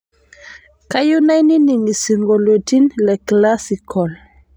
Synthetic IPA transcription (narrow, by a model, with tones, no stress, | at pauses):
ka˦ju˦na˦jni˦ni˨ŋi˨si˨ŋɡo˨lo˨ti˦nlɛ˨kla˦si˨kʰɔ˨l